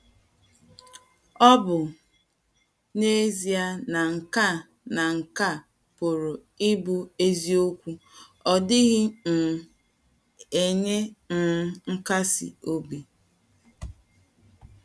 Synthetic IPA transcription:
ɔ˦bʊ˨ | ne˦zi˨a˦na˨ŋ̩˨ka˦˨ | na˨ŋ̩˨ka˦˨ | po˨ɾo˨ | ɪ˦bʊ˦e˦zi˦o˦kʷu˦ | ɔ˨dɪ˦ɣɪ˦n̩˨ | e˨ɲe˦n̩˨˦ŋ̩˦ka˦sḭ˨o˦bi˨

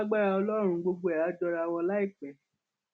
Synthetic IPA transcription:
ɡ͡ba˦ɾa˧ɔ˧lɔ˦ɾ̃ũ˧ɡ͡bo˧ɡ͡bo˧˦ɛ˨a˨˦d͡ʒɔ˧ɾa˧wɔ˧la˦i˦˨k͡pɛ˨˦

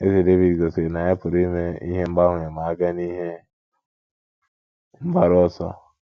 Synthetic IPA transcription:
e˦se˨de˦vi˨dɡo˨se˨na˨je˦pu˨ɾi˦me˦ḭ˦he˦m̩˦ba˦hũ˨je˨ma˨˦ɡa˦ni˦he˦ | m̩˦ba˦ɾo˦sɔ̰˦

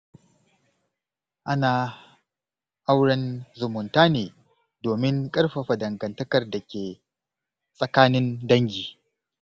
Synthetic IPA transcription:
ʔa˦naː˨ | ʔa˦wɽɐ˦nzʊ˨mʊ˨ntaː˦neː˨ | doː˨mɪ˦ŋkʼɐ˦rɸa˨ɸɐ˨dɐ˨ŋɡɐ˨ntɐ˦kɐ˨rda˨kʲeː˨ | sʼɐ˨kaː˦nɪ˦ndɐ˦ŋɡʲiː˨

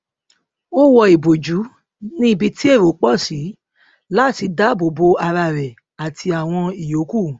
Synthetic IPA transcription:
o˦wɔ˧i˨bo˨d͡ʒu˨˦ | nĩ˦i˦˨bi˧ti˦e˦˨ɾo˨˦k͡pɔ˦˨si˨˦ | la˦˨ti˧da˦bo˨bo˧a˧ɾa˧ɾɛ˨ | a˨tʰi˧a˨w̃ɔ̃˧i˨jo˨˦ku˦˨

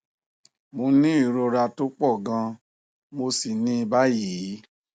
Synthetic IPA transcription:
mo˧nĩ˦i˦˨ɾo˧ɾa˧to˦k͡pɔ˦˨ɡã˧ | mo˧si˨nĩ˦i˧ba˦jiː˨˦

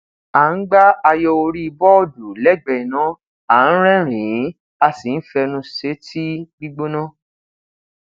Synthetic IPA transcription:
a˨n̩˦ɡ͡ba˦a˧jɔ˧o˧ɾi˦i˧bɔ˦du˨lɛ˦˨ɡ͡bɛ˨nã˨˦ | a˨˦n̩˦ɾ̃ɛ̃˦ɾ̃ĩ˨˦ | a˧si˨n̩˦fɛ˧nũ˧˦se˨˦ti˦ɡ͡bi˦ɡ͡bo˦nɔ̃˦

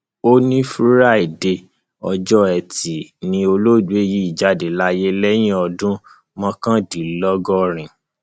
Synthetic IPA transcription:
o˦nĩ˦fu˦ɾa˦˨i˨de˧ | ɔ˧d͡ʒɔ˦ɛ˨ti˨nĩ˧o˧lo˦˨du˨˦e˦ji˦i˨d͡ʒa˨de˨la˦je˦lɛ˦j̃ĩ˦ɔ˧dũ˦ | mɔ̃˧kã˦di˨lɔ˦ɡɔ˦ɾ̃ĩ˨

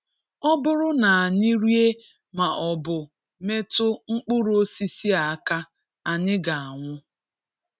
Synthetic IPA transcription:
ɔ˦bʊ˦ɾʊ˦na˨a˨ɲi˦ɾi˦e˦ | ma˨ʔɔ˨bʊ˨ | me˦tʊ˦ŋ͡m̩˦k͡pʊ˦ɾo˦si˦si˦a˨a˦˨ka˦ | a˨ɲɪ˦ɡa˨a˨ŋʷʊ˦

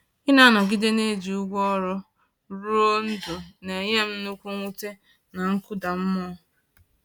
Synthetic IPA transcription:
i˦na˦˨nɔ˨ɡɪ˦de˦ne˦˨d͡ʒi˨u˦ɡʷɔ˦ɾʊ˦ | ɾo˦n̩˦dʊ˨ne˨ɲe˦m̩˦nʊ˦kʷu˦ŋʷu˦te˦ | na˨ŋ̩˦kʊ˦da˨m̩˦mɔ˦

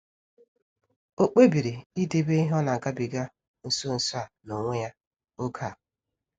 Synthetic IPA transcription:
o˦k͡pe˦bi˨ɾi˨i˦de˦be˦i˦ɦɔ˦na˨ŋ̩˨ka˦bi˨ɡa˦ | n̩˨so˦˨n̩˨sa˨no˨ŋʷe˦ja˦ | o˦kʰa˦˨

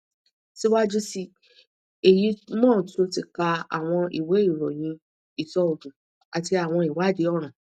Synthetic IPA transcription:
si˦wa˦d͡ʒu˦si˧ | e˨ji˨˧˦mɔ̃ː˦˨tu˦o˧ti˧ka˧a̰˨w̃ɔ̃˧ḭ˨we˨˦i˦˨ɾɔ˨j̃ĩ˧˦ | i˨sɔ˧o˨dũ˨ | a˨ti˧a˨w̃ɔ̃˧i˨wa˨˦de˨˦ɔ˦˨ɾ̃ã˨

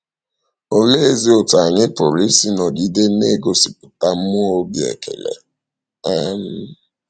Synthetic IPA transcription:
o˨le˦e˦zi˦o˨ta˨ɲɪ˦pʊ˨ɾi˦si˦nɔ˨di˨˦de˦ne˦ɡo˦si˨p̚ʊ̥˨ta˦m̩˦mʊ˦o˦bjḛ˨kʰḛ˨lḛ˨ | a˦m̩˦

